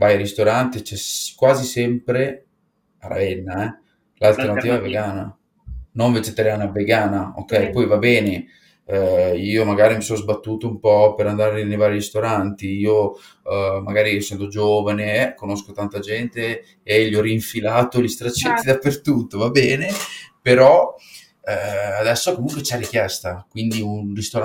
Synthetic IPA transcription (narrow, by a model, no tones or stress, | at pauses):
vajaɾist̪oɾant̪et͡ʃɛskwaːzisɛmpɾe | a̰ɾa̰vɛnːaɛ | lalt̪ernatt̪iːvaɛvːeɡaːna̰ | noɱved͡ʒet̪aɾjaːnaveɡaːnao̰kːɛjpɔjvabɛːne | iːomaɡaːɾimisonozbat̪ːuːt̪oumpɔpeɾand̪aːɾenejvaːɾiɾist̪oɾant̪iiːo | maɡaːɾisɛnt̪od͡ʒoːvanekonoskot̪ant̪ad͡ʒɛnt̪e | eʎːiɔriːɱfilaːt̪oʎist̪ɾat͡ʃːit̪ːid̪apːert̪ut̪ːovabɛːnepeɾɔ | ad̪ɛsːokomuŋkwet͡ʃɛrːik̟jɛst̪akwind̪iunrist̪oɾ